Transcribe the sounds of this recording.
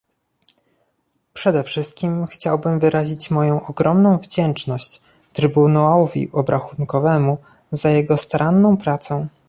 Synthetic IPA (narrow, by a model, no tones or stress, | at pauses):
pʂɛd̪ɛfʂɘst̪̚kʲimxt͡ɕawbɘmvɘɾaʑit͡ɕmɔjɔ̃w̃ʔɔɡɾɔmnɔ̃w̃vd͡ʑɛnt͡ʂnɔɕt͡ɕ | t̪ɾɘbunaɔvʲḭʔɔbɾʔaxunkɔvɛmu | zajɛɡɔst̪aɾʔanːɔ̃w̃pɾat̪sɔ̃w̃